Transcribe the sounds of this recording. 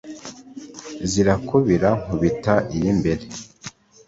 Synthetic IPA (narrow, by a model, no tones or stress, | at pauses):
ziɾakuβiɾaŋ̥uβitaʔijimbe̞ɾe